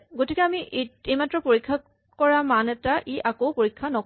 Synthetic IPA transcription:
ɡotikɛamiʔeejmatɹɔpoɹikʰːa | kɔɹamanɛtaʔiʔakowpoɹikʰːanɔ

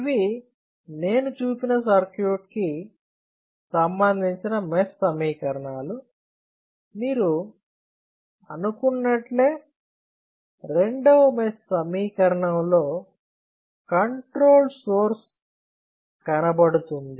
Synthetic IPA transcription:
iʋi | ne̞ːnut͡ʃuːpinɐsɐɾkjuːʈ̚ki | sɐmbɐnd̪ʱiɲt͡ʃinɐmesːɐmiːkɐɾɐɳaːlu | miːɾu | ɐ̰nukunːɐʈle̞ː | ɾe̞ɳɖɐʋɐmesːɐmiːkɐɾɐɳɐmlo̞ː | kɐɳʈɾo̞ːlsoːɾs | kɐnɐbɐɽut̪und̪i

